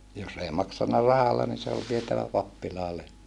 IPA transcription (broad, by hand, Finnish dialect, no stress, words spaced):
jos ei mɑksɑnːɑ rɑhɑlːɑ ni se ol ʋietæʋæ pɑpːilɑː lehmæ